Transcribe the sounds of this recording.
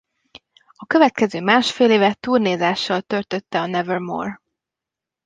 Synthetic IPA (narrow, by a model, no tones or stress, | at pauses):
ɒkø̞vɛt̪kɛzøːmaːʃfeːleːvɛt̪uːrneːzaːʃːɒlt̪ø̞rt̪ø̞t̪ːɛɒnɛvørmo̰ːr